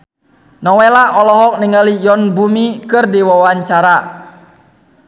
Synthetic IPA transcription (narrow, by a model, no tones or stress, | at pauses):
nɔwɛlaʔɔlɔɦɔk̚niŋəlijɔnbumikɨrdiwawaɲt͡ʃaɾa